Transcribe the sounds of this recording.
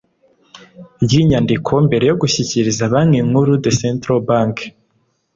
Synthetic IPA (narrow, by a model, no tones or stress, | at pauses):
bɟiɲandikʰo̞mbe̞ɾe̞jo̞ɡuçiciɾizaβamŋe̞ŋhuɾudesentɾobaŋk